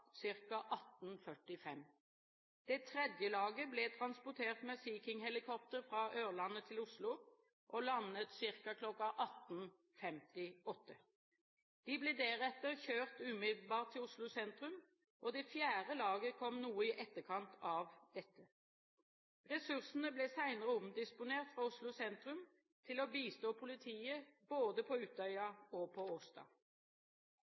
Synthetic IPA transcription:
sɪʁkɑʔɑt̪nfœʈɪfɛm | d̪̥ɛt̪ʰʁɛd̪jəlɑːɡəblɛːt̪ʰʁɑnspɔʈ̪ʰeːʁt̪mɛsiːkɪŋhɛlɪkʰɔp̚t̪əʁfɾɑːʔøːʁlɑnːət̪ʰɪlʊslʊ | ʔɔlɑnːət̪sɪʁkɑkʰlɔkːɑʔɑt̪n | fɛmt̪ɪɔt̪ːə | d̪̥ɪblɛːd̪ɛʁɛt̪ːəʁçøːʁt̪ʉːmɪd̪l̩bɑːʁt̪ʰːɪlʊslʊsɛnt̪ʁʉm | ʔɔd̪ɛfjæːʁəlɑːɡəkʰɔmnuːəɪʔɛt̪ːəkʰɑnt̪ʰɑʋd̪̥ɛt̪ːə | ʁɛsʉʁsnəblɛːsæɪnəʁəʊmd̪ɪspʊneːʁt̪fʁɑʊslʊsɛnt̪ʁʉm | t̪ʰɪlɔbiːst̪oːpʰʊlɪt̪ʰiːəboːd̪əpʰɔʉːt̪œʏɑɔpʰɔosd̪ɑ̰ː

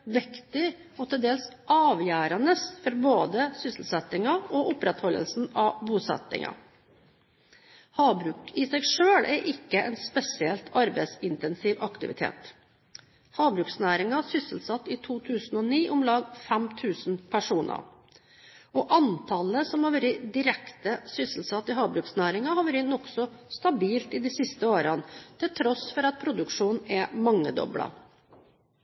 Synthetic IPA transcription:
ʋɪkt̪ɪɔt̪ʰɪld̪eːlsʔɑːʋjæːɾɑnəsfɔɾboːd̪əsʏsəl̩sɛt̪ːɪŋɑɔʔʊpɾɛt̪hɔlːə̰lsn̩ɑbuːsɛ̰t̪ːɪ̰ŋɑ̰ | hɑːbɾʉːkɪsɛɪʂøːɭʔæɾʔɪkːəʔɛnspɛsɪɛlt̪ɑɾbɛɪsɪnt̪ɛnsiːʋɑkt̪ɪʋɪ̰t̪ʰḛːt̪ | hɑːbɾʉːksnæːɾɪŋɑsʏsəlsɑt̪ːɪt̪ʰuːt̪ʰʉːsn̩ɔniːʔʊmlɑːɡfɛmt̪ʰʉːsnpʰæʂuːnʔə̰ɾ | ɔʔɑnt̪ʰɑləsɔmhɑɾʋæɾəd̪ɪɾɛkt̪əsʏsəlsɑt̪ːɪɦɑːbɾʉːksnæːɾɪŋɑhɑʋʉɾɪnːɔksɔst̪ɑbiːlt̪ɪd̪iːsɪst̪əoːɾɑnt̪ʰɪlt̪ʰɾɔsfɔɾɑt̪̚pʰɾʊd̪ʉkʂuːnn̩ɛmɑŋːəd̪ɔ̰blɑ̰

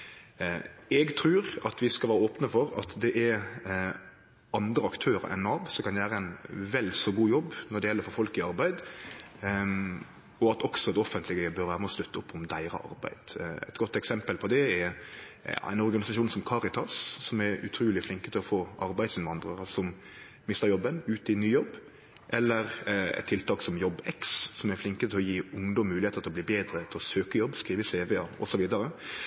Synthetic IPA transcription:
ɛɡt̪ʰɾʉːɾɑt̪ʋɪskɑʋæːɾəoːpnəfɔɾɑ̰t̪d̪ɛʔɛɾ | ɑnd̪ɾəɑkt̪ʰøːɾə̰ɾɛ̰nːɑʋsɔkʰɑnjʋæːɾəæɪnʋɛlsɔɡuːjɔbːnɔɖɛjɛlːəɾfɔɾfɔlkɪɑɾbæɪd̪ | ɔɑt̪ɔksɔd̪ɛɔfənt̪lɪɡəəbœɾʋæːɾəmɛɔst̪ʉt̪ʰːəʊpːɔmd̪æɪɾə̰ʔɑ̰ɾbæ̰ɪd̪̥ɛ̰ɪt̪ɡɔt̪ːɛksɛmpəlpʰɔd̪ɛɛ̰ | æ̰ɪnɔɾɡɑnɪsɑʃuːnsɔmkʰɑɾɪt̪ʰɑsːɔmɛɾʉ̰t̪ʰɾuːlɪflɪŋkət̪ʰɪlɔfoːʔɑɾbæɪsɪnʋɑnd̪ɾəɑsɔm | mɪst̪əɾjɔbːənʉːt̪ɪnːyːjɔbː | ʔɛlːəɾɛ̰t̪ʰɪlt̪ʰɑːksɔmjɔbːɛkssɔmæɾflɪŋkət̪ʰɪlɔjiːʊŋd̪ɔmːʉːlɪheːt̪ət̪ʰɪlɔliːbeːd̪ɾət̪ʰɪlɔsøːkəjɔbːskɾiːʋəseːʋɛːɑɔ̰sɔʋiːd̪ɑɾə

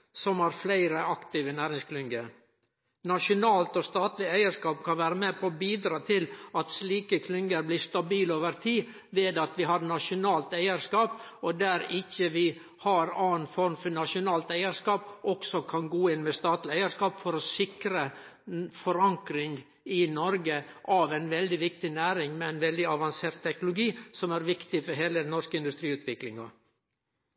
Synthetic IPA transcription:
sɔmɑɾflæɪɾəɑkt̪iːʋənæːɾɪŋskʰlʏŋɡə | nɑʂʊnɑːlt̪ɔst̪ɑːt̪lɪæɪəɾʂkɑːpkʰɑnʋæːɾəmeːpʰɔbiːd̪ɾɑːt̪ʰɪlɑt̪sliːkəkʰlʏŋɡəɾbliːst̪ɑbiːloːʋəɾt̪ʰiː | ʋeːd̪ɑt̪ʋɪɦɑɾnɑʂʊnɑːlt̪æɪəɾʂkɑːp | ɔd̪æːɾɪçəʋɪ | hɑɾɑːnfɔɾmfɔnɑʂʊnɑːlt̪æɪəɾʂkɑːpʔɔksɔkʰɑnɡoːɪnmɛst̪ɑːt̪lɪæɪəɾʂkɑːpfɔɾɔsɪkɾə | fɔɾɑŋkɾɪŋ | ɪnɔɾɡəʔɑʋæɪnʋɛld̪ɪʋɪk̚t̪ɪnæːɾɪŋmɛæɪnʋɛld̪ɪɑʋɑnseːɾt̪ʰːɛknʊlʊɡiːsɔmæɾʋɪkt̪ɪfɔɾɦeːlənɔʂkəɪnd̪ʉst̪ɾiːʉːt̪ʰʋɪklɪŋɑ̰

